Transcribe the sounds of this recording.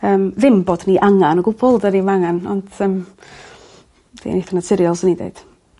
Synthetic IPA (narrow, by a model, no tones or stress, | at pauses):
əːmvɪmbɔdniʔaŋanɔɡʊbɔlˠdənimaŋanɔ̰nd̥əm | d̥ḛjneθanatʰɪɾjɔlˠsɪnidḛɨd̥